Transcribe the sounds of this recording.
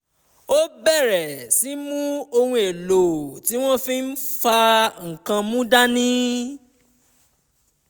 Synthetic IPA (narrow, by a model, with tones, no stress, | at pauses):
o˦bɛ˦˨ɾɛ˨si˨˦mũ˦o˧hũ˧e˨lo˨ti˨˦w̃ɔ̃˦fi˦n̩˦fa˧ŋ̩˨kã˧mũ˦da˦nĩ˦